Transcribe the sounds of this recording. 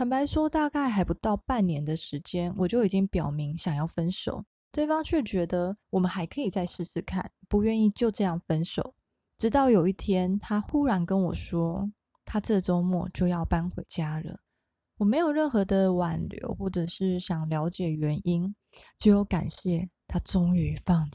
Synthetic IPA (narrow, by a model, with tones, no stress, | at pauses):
pə˨npa˧˥ɪʂwɔ˥t̪a˥˧ka˥˩ɪxa˧˥ɪpu˧˥t̪ɑ˥˧ʊpa˥˩nnjɛ˧˥nd̪ə˨ʂɻ̩˧˥t͡ɕjɛ˥nwʔɔ˨t͡ɕjo˥˩ʊi˨˩t͡ɕi˦˥ŋpjɑ˨˩ʊmi˧˥ŋɕjɑ˨˩ŋjɑ˥˩ʊfə˥nʂo˨˩˦ʊ | t̪we˥˩ɪfɑ˥ŋt͡ɕʰɥɛ˥˩t͡ɕɥɛ˧˥d̪ə˧wɔ˨˩mə˨˦nxa˧˥ɪkʰɤ˧˥i˨˩t͡sa˥˧ɪʂɻ̩˥˧sɹ̩˥˧kʰa̰˥˩npu˨˧˦ɥɛ˥˧ni˥˧t͡ɕjo˥˧ʊʈ͡ʂɤ˥˧jɑ˥˩ŋfə˥nʂo˨˩˦ʊ | ʈ͡ʂɻ̩˧˥t̪ɑ˥˩ʊjo˨˩ʊi˥˩t̪ʰjɛ˥nt̪ʰa˥xu˥ɻa˧˥nkə˦nwɔ˨˩ʂwɔ˥ | t̪ʰa˥t͡sɤ˥˧˩t͡so˥ʊmwɔ̰˥˩t͡ɕjo˥˧ʊjɑ˥˩ʊpa˥nxwḛ˧˥ɪt͡ɕja˥lə̰˨ | wɔ˨˩me˧˥ɪjo˨˩ɻə˥˩nxɤ˧˥d̪ə˧wa˨˩nljo̰˧˥ʊxwɔ˥˩ʈ͡ʂɤ˨˩ʂɻ̩˥˩ɕjɑ˨˩ŋljɑ˧˥ʊt͡ɕjɛ˨˩ɥɛ˧˥ni˥n | t͡ɕo˥˧ʊjo˥˩ʊka̰˨˩nɕjɛ˥˩t̪ʰa˥t͡sʊ˥ŋy˧˥fɑ˥˧ŋ˨˩